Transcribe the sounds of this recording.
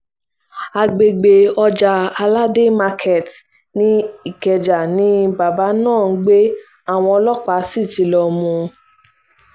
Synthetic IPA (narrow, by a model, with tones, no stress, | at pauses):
a˧ɡ͡be˧ɡ͡be˧ɔ˧d͡ʒa˧a˧la˦de˦ma˧kʰe˨t | nĩ˦i˦˨kɛ˨d͡ʒa˨nĩ˦ba˨ba˨˦nãː˦˨n̩˦ɡ͡be˦ | a˦˨w̃ɔ̃˧ɔ˧lɔ˦k͡pa˨˧˦si˦˨ti˨˧˦lɔ˧mũ˧